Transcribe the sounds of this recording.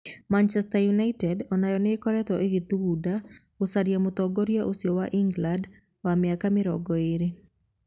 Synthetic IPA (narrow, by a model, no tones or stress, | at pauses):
mant͡ʃɛstajunaitɛdɔnajɔnɪkɔɾɛt̪ɔʔeɡit̪uɡuda | osaɾjamʊt̪ɔɡɔɾijaʔosjɔwaʔiŋɡland | wamɪakamɪɾɔɡɔeɾe